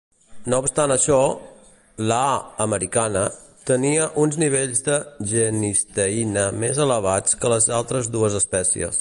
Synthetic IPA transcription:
noupst̪anəʃɔ | ləaəməɾikanə | t̪əniəʔunzniβ̞eʎzdəʒənist̪əinəmezələβat͡skələzalˠt̪ɾəzðuəzəspɛsḭə̰s

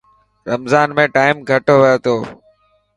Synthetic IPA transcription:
ɾəmzaːnmẽːʈaːɪmɡʱəʈoʋɪjoːt̪ʰoː

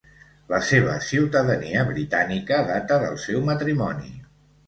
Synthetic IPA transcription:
ləseβ̞əsiwt̪əðəniəβɾit̪anikəðat̪əðə̰lˠsɛwmət̪ɾimɔnḭ

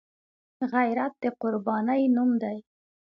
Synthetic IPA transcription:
ɣajɾat̪̚d̪̥əqʊɾbɑnəjnumd̪aj

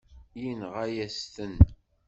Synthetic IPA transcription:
jinʁajæst̪ən

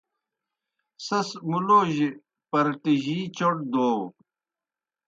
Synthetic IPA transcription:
sɐsmuloːʑi | pɐɾʈiʑiːt͡ɕoʈ̚d̪oːw

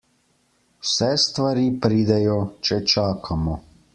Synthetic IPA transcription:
wsɛst̪ʋaɾipɾiːd̪ɛjɔt͡ʃɛt͡ʃaːkʰamɔ

